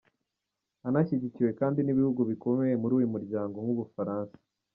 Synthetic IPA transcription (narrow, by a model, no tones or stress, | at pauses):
anaçiɟiciwe̞kaːndiniβihuɡuβiko̞me̞je̞muɾuːjumuɾɟaːŋɡo̞mwuβufaɾaːnsḁ